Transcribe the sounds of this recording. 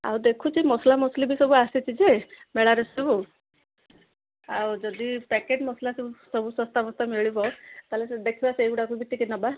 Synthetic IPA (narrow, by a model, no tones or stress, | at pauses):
a̰wd̪ekʰut͡ʃimɔslamɔslibʱisɔbuasit͡ʃid͡ʒemeɭaɾesɔbu | awd͡ʒɔd̪ipɛkeʈmɔslasisɔbusɔst̪amɔst̪ameɭibɔwt̪alesed̪ekʰibaseɡuɽakubit̪ikinɔba